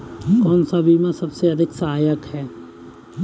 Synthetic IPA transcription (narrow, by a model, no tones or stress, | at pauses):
kɔːnsabʱimẽsɐbseɐd̪ʱɪksɐɦaːjəkhɛː